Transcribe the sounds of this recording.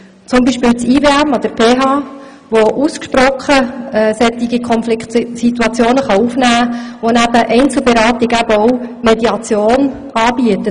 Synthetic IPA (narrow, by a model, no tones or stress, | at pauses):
t͡sʊmbiːʃpɪːlt͡siːveːæmɔd̪əɾpʰeːɦɑː | ʋoʔuskʃpɾɔχəɛsɛt̪iɡikʰɔnflɪkt̪sit̪uɑt͡sjoːnəχɑufnæːʋonæbəʔɛɪnt͡sl̩ˠbɛɾɑːt̪ɪɡæbəɔwmɛd̪iɑt͡sjoːn | ʔɑːbiətə